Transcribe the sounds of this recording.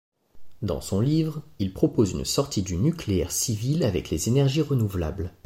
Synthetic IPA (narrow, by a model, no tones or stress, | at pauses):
d̪ɑ̰̃sɔ̃livʁilpχɔpozynsɔʁt̪id̪ynykleɛ̰ʁsivilavɛklezenɛʁʒiʁənuvla̰bl